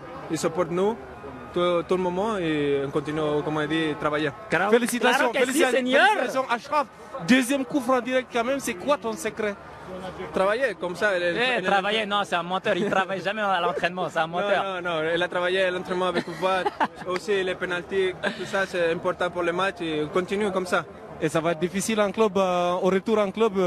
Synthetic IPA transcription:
ilsəpɔɾt̪nu | t̪ut̪uləmɔmɑ̃eɔ̃kɔ̃t̪inykɔmɑ̃id̪it̪ʁavaje | afelisit̪asjɔ̃felisit̪asnɛɾesɔ̃ʔaʃʁav | d̪øzjɛmkufɾɑ̃d̪iʁɛk̚t̪̚kɑ̃mɛmsɛkwat̪ɔ̃səkɾɛ | t̪ʁavajekɔmsaɛlɛnavajenɔ̃sɛt̪ɛ̃mɔt̪œʁilt̪χavajʒamɛalɑ̃t̪χɛnmɑ̃sɛɛ̃mɔt̪œʁ̃nɔ̃ilat̪ʁavajealɑ̃t̪χɛnmɑ̃avɛkvatosilepenalt̪ikt̪usasɛɛ̃pɔʁt̪ɑ̃puʁlemat͡ʃekɔ̃t̪inykɔmsa | esavaɛt̪ɾd̪ifisilɑ̃klœboʁət̪uʁɑ̃klœb

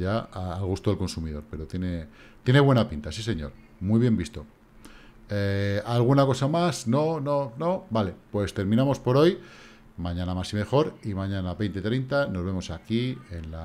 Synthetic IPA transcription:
aaːlɣust̪oelko̞nsumiðo̞ɾpe̞ɾot̪je̞ne̞ | t̪je̞ne̞βwe̞napint̪asis̬e̞ɲo̞̰ɾ | mwijβje̞mbist̪o̞ | ealɣ̞unako̞samasnonono̞bale̞pwe̞st̪e̞ɾmĩnamo̞spo̞ɾo̞j | mãɲãnamasime̞xo̞ɾimãɲãnaβe̞jnt̪et̪ɾe̞jnt̪ano̞zβe̞mo̞sakie̞nla

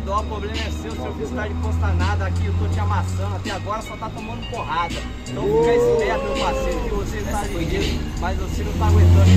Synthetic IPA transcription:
d̪ɔpɾoblẽmɐɛsewsewkist̪ad͡ʒɪkõst̪anad̪ɐakiʊt̪õt͡ʃɪamasɐ̃nʊat̪ɛaɡɔɾɐsɔt̪at̪omɐ̃nd̪ʊpoɦad̪ɐ | ẽt̪ɐ̃w̃kɛsid̪ɛɐpẽlʊpasẽt̪ʊkɪvoset̪avĩd̪ʊmɐjzvosenɐ̃t̪aɡwẽt̪ɐ̃d̪ʊ

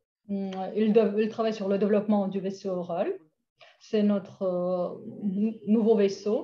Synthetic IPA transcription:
ililt̪χavajsyʁləd̪evlɔpmɑ̃d̪yvesoːʁal | sɛnɔt̪χə | nuvoveso

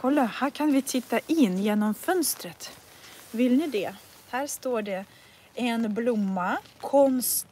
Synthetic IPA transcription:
kʰɔlːahæːɾkʰanvɪt̪ʰɪt̪ːaʔɪnːjeːnɔmfœnst̪ɾət̪ | vɪlnɪd̪ɛ | hæːɾst̪oːɖɛ | ɛnblʊmːakʰɔnst̪

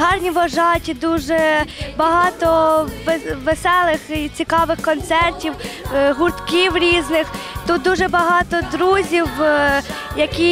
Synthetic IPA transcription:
ɦɑrnʲiʋɐʒɑtʲid̪uʒɛbɐɦɑt̪ɔʋʋesɛlˠɪxit͡sʲikɑʋɪxkɔnt̪sɛrtʲiwɦʊrt̪kʲiwɾʲiznɪxt̪ut̪̚d̪uʒɛbɐɦɑt̪ɔd̪ɾuzʲiw | jɐkʲi

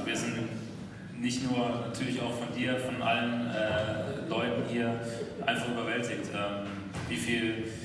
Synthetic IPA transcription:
viːɐzɪntn | nɪçtnuːɐnatʰyːɐlɪça̰ʊxfɔndiːɐfɔnʔa̰lənʔɛːlɔʏtn̩hiːɐʔaɪnfaχʔyːbɐvɛltɪçtʔɛːm | viːfiːl

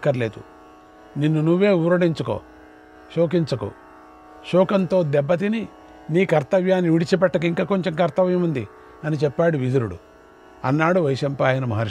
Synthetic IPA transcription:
kːɐɾleːd̪u | ninːunuʋːe̞ːuːɾɐɽiɲt͡ʃuko̰ː | ʃoːk̬iɲt͡ʃɐko̰ː | ʃɔːkɐnt̪o̞ːd̪ɛbːɐt̪̬ini | niːkɐɾt̪ɐʋjaːnːiʋiɽit͡ʃip̬ɛʈːɐk̬iŋkaːko̞ɲt͡ʃɐmkɐɾt̪ɐʋjɐmund̪i | ɐnit͡ʃɛpːaːɽuʋid̪uɾuɽṵ | ɐnːaːɽuʋɐjiʃɐmpaːjɐnɐmɐɦɐɾ

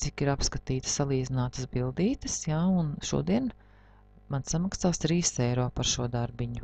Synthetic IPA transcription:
t̪ikiɾapskat̪iːt̪ə̥ssalˠiːd̪zinaːt̪əsbilˠd̪iːt̪əsjaːunʃṵɔd̪iɛn | mansamaksaːst̪ɾiːsɛjɾɔːpaɾʃuɔd̪aɾbiɲu

